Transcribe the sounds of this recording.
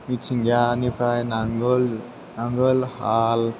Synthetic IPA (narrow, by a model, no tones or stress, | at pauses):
mit͡sʰiŋɡjanipʰɾajnaŋɡl | naŋɡəlhal